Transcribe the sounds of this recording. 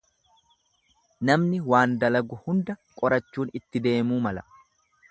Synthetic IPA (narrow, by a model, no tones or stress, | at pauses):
nɐmnɪwaːnd̪ɐlɐɡʊhʊnd̪ɐkʼɔɾɐt͡ʃːuːnɪt̪ːɪd̪e̞ːmuːmɐlɐ